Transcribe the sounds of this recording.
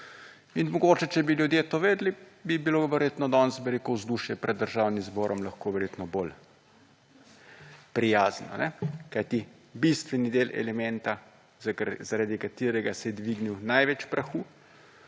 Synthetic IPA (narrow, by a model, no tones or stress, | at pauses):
inmɔɡoːt͡ʃɛt͡ʃɛbiljud̪jet̪oʋeːd̪libibiloʋəɾjeːt̪nɔd̪ɔnsbɛɾekɔwzd̪uːʃjɛpɾʔɛd̪ːəɾʒaːwnimzbɔːɾʔɔmlaxkoːʋɛɾjet̪nɔbol | pɾijaːznɔ̰nɛkajt̪i | bist̪ʋɛnid̪eːlʔɛ̰lɛmɛnt̪a | zzaɾaːd̪ikat̪iːɾɛɡasɛd̪ʋiɡniwnajʋɛt͡ʃpɾaxuː